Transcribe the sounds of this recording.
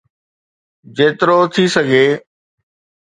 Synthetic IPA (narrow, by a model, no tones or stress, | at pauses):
d͡ʑeːt̪ɪɾoːt̪ʰiːsəɡʱeː